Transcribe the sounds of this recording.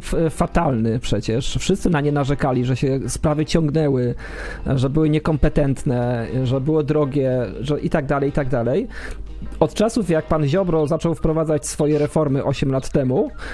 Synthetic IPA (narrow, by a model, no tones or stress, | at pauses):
fat̪alnɘpʂɛt͡ɕɛʂfʂɘst̪sɘnaɲɛnaʐɛkalʲiʐɛɕɛspɾavɘt͡ɕɔ̃ŋɡnɛwɘ | ʐɛbɘwɘɲɛkɔmpɛt̪ɛnt̪nɛʐɛbɘwɔd̪ɾɔɡʲjɛʐɛʔit̪aɡ̚d̪alɛjt̪aɡ̚d̪alɛj | ɔt̪t͡ʂasufjak̚panʑɔbɾɔzat͡ʂɔwfpɾɔvad̪zat͡ɕsfɔjɛɾɛfɔɾmɘʔɔɕɛmlat̪ːɛmu